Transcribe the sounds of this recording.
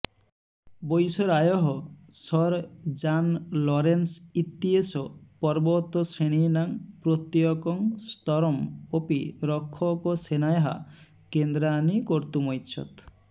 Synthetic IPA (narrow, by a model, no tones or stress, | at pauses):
bojsɔɾajɔɦɔsɔɾd͡ʒanlɔɾensit̪ːiesɔpɔɾbɔt̪ːɔsɾeɽ̃inaŋpɾot̪jɔkɔŋst̪ɔɾɔmopiɾɔkʰːɔkɔsenajɦa̰ | kend̪ɾanikɔɾt̪umɔjt̪ːʃʰɔ̰t̪